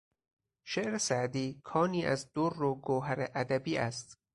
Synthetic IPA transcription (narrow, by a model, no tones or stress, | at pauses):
ʃeʔɾesæʔd̪iːkʰɒːniːʔæzd̪̥oɾːoɡoːɦæɾeʔæd̪æbiːʔæst̪